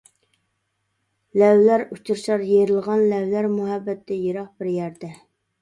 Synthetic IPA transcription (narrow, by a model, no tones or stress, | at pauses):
lɛwlæɾut͡ʃuɾʃɑɾjeɾɪlˠʁɑnlɛwlæɾmuɦɛbːɛt̪ːɛjeɾɑq̚bɪɾjæɾd̪ɛ